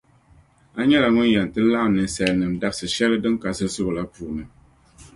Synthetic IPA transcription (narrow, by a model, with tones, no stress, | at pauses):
a˦ɲɛ˦la˨ŋʊ˦njɛ˨n˨tɨ˦la˦˨m˦nɨ˨nsɛ˨lnɨ˨mda˦bsɨ˨ʃɛ˦lɨ˦dɨ˦ŋka˨sɨ˦sʊ˦ba˨la˦puː˨nɨ˨